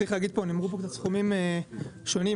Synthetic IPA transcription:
iχlaɡid̪̚ponimʁup̬okt̪at̪t͡sχumimeʃo̞ni

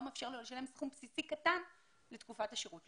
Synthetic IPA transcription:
meːfʃe̞ʁlelʃalemsχumpsisikatan | let̪kufathaʃeʁut

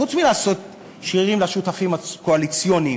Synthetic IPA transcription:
ut͡smilaːso̞t̪̚ | ʃiʁimlaʃutafimakoalit͡sjoni

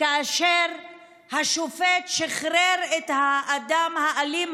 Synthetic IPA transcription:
kaːʃeʁ | haʃofet̪ʃeχɾeɾet̪haːd̪amhaʔalim

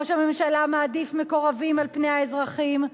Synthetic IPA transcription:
oʃame̞mʃalamaːd̪ifme̞ko̞ʁavimalpnejhaezʁaχim

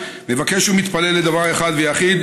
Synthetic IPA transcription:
mevakeʃumit̪palelːed̪avaʁeχad̪vejaχid̪

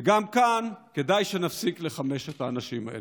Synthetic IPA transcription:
eɡamkanke̞dajʃe̞nafsikle̞χame̞ʃet̪aːnaʃima̰ʔḛle

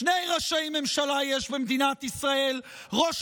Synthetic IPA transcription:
nejʁaʃaimemʃalajɛʃbemd̪inat̪isʁael | ʁo̞ʃ

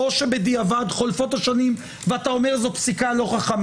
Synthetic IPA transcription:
oʃebed̪iavad̪χo̞lfo̞t̪aʃanim | veatao̞meʁzopsikalo̞χaχam

